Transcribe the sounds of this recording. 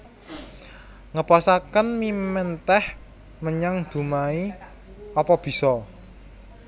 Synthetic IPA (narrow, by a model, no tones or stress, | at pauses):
ŋəpɔsakənmimɛnt̪ɛh | məɲaŋd̪̥ṳmai | ɔpɔb̥i̤sɔ